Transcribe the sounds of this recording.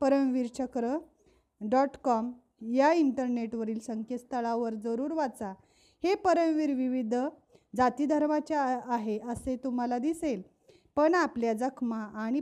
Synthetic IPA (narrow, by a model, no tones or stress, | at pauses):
pəɾəmʋiɾt͡ɕəkɾə | ɖɔʈkɔm | jaiɳʈəɾneʈʋəɾiːlsəŋkjest̪ʰəɭaʋəɾd͡zəɾuːɾʋat͡sa | hepəɾəmʋiɾʋiʋid̪ʱ | d͡zat̪iːd̪ʱəɾmat͡ɕaːɦeʔəset̪um̤alad̪isel | pəɳapljad͡zəkʰmaʔːɽ̃i